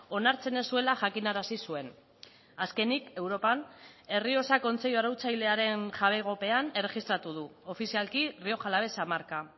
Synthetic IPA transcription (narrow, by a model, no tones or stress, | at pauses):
o̞naɾt͡se̞ne̞sue̞laʝakinaɾasisue̞n | aske̞nike̞wɾo̞pane̞rio̞sako̞nt͡se̞ʎoaɾawt͡sajle̞aɾe̞nʝaβ̞e̞ɣ̞o̞pe̞ane̞re̞ɣist̪ɾat̪uð̞uo̞fisialkirio̞xalaβ̞e̞samaɾka